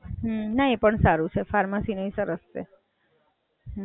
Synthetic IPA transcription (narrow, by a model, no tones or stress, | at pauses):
ɦnaepəɳsaɾut͡ʃʰefaɾmasinoisəɾəst͡ʃʰḛ